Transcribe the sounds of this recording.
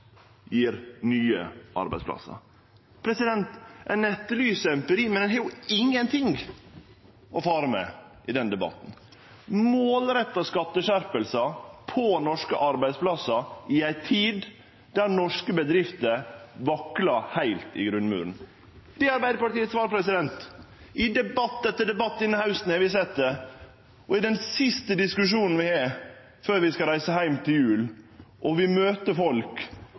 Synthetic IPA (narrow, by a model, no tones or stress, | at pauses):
jiːɾnyːə̰ʔɑ̰ɾbæɪdspʰlɑ̰sɑ̰ | pʰɾɛsɪd̪ɛnt̪ʔæɪnɛt̪ːəlyːsɛmpəɾiːmɛnɛnɦɑːɾjʊɪŋːənt̪ʰɪŋ | ɔfɑːɾəmɛʔɪd̪ɛnd̪ɛbɑ̰t̪n̩ | moːlɾɛt̪ːɑskɑt̪ːəʂæɾpəlsɑpʰɔnɔʂkə̰ʔɑɾbæɪd̪spʰlɑsɑɪæɪt̪ʰiːd̪ | d̪æɾnɔʂkəbəd̪ɾɪft̪əʋɑklɑhæɪlt̪ɪ̰ɡɾʉnmʉ̰ːɾn̩ | d̪̥ɛɑɾbæɪd̪əpɑʈ̪iːəsʋɑːɾpʰɾɛsɪd̪ɛnt̪ | ʔɪd̪ɛbɑt̪ːɛt̪ːəɖ̪ɛbɑt̪ːɪnːəhɑʉsn̩ɛʋɪsɛt̪ːə | ɔɪd̪ɛnsɪst̪əd̪ɪskʉʂuːnn̩ʋɪhɑ | føːɾʋɪskɑɾæɪsəhæɪmt̪ʰɪljʉːlʔɔʋɪmøːt̪əfɔlk